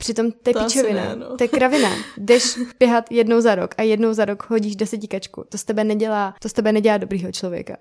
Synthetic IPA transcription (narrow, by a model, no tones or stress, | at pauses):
pr̥ɪt̪o̞mt̪ɛpɪt͡ʃɛvɪna̰t̪ɛkɾavɪnadɛʃpjɛɦat̪jɛdnowzaɾokajɛdno̞wzaɾokɦo̞ɟiːʒdɛsɛcɪkat͡ʃkṵt̪ost̪ɛbɛnɛɟɛlaːt̪ost̪ɛbɛnɛɟɛlaːdobɾiːɦot͡ʃlo̞vjɛ̰ka̰